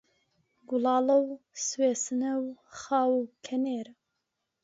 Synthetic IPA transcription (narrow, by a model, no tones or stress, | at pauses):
ɡulɑːlɐw | sweːsɨnɐwxɑːwukʰɐneːɾ